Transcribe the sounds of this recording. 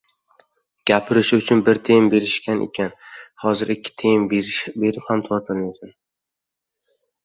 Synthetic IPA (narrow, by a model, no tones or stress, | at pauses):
ɡ̥ʲapʰɪɾɪʃʊt͡ʃʰʊnbɪɾt̪ʰembe̞ɾɪʃkʲʰanʔḛkʲʰanhɒzɪɾɪkʲʰːɪ̥t̪ʰejmbe̞ɾɪphamt̪ʰɒɾt̪ʰɪlmasan